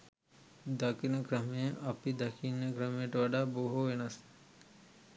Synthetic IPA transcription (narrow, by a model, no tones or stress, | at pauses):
d̪ɐkinɐkɾɐmeʔɐpid̪ɐkʰinəkɾɐmeʈʋɐɖaboɦoʋenɐs